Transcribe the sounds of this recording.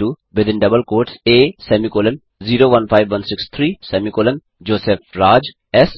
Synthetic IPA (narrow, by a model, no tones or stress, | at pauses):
ʈuːʋɪd̪ɪ̃nɖɐbəlkoːɾʈseːsɛːmikoːlə̃n | ziːɾoːʋɐ̃nfʰaɪʋʋɐ̃nsɪkst̪ʰɾiːsɛːmikoːlə̃n | d͡ʒoːseːfɾaːd͡ʒ | ɛs